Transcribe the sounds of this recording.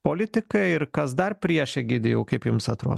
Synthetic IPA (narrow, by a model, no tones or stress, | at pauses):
polʲɪt̪ʲɪkɐɪɾkɐsd̪ɐrpʲɾʲiɛʃʲɛɡʲɪd̪ʲɪjɛʊkɐɪpjʊmsɐt̪ɾo̰ː